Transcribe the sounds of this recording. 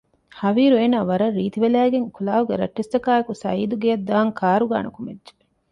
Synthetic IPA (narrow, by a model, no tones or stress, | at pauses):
hɐʋiːɾueːnaːʋɐɾɐrːiːt̪iʋelæːɡeŋkulaːʋuɡeɾɐ̰ʈːest̪ɐkaːekusɐ̰iːd̪uɡejɐd̪ːaːŋkʰaːɾuɡa̰ːnɐkumedʒe̥